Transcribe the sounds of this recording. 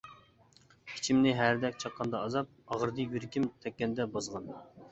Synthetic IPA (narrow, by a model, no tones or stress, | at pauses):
kʰi̥t͡ʃʰimnɪɦæɾd̪ɛk̚ʲt͡ʃʰɑqːɑnd̪ɑːzɑp̚ɑʁəɾd̪ɨjyɾkʲimt̪ʰɛkʲːɛnd̪ɛbɑzʁɑn